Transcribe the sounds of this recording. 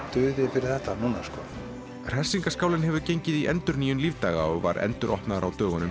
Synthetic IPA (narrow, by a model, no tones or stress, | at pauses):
t̪ʏːðɪfɪɾɪɾ̥θɛht̪anuːna̰skɔ | r̥ɛ̥siŋkaskaːwlɪnɦɛvʏcejɲcɪðiʔɛ̰nt̪ʏɾniːjʏnlivt̪aːɣaɔɣva̰ɾʔɛ̰nt̪ʏɾʔɔ̰hp̪naðɾawt̪œːɣʏnʏm